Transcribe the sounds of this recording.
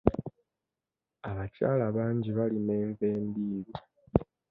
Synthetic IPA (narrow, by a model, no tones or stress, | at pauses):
aβaca̰ːlaβaːɲɟiβaline̞ːɱve̞ːmbiːβi